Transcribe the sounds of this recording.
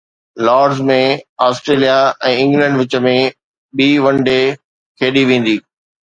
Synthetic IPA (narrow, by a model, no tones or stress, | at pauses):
lɔːɖzmẽaːsʈɾeːlijaɛ̃ːɪ̃ŋɡlɛ̃ɳɖʋɪt͡ɕə̆mẽ | ɓiːʋɐ̃nɖe | kʰeːɗiʋẽːn̆d̪iː